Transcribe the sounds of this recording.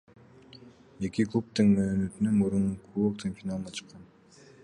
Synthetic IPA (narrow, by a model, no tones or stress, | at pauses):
e̞kʲiklˠup̚t̪ɯŋmøːnøt̪ynymuɾunkʰuok̚t̪enfʲinalˠnɑt͡ʃʰɯ̥qːɑn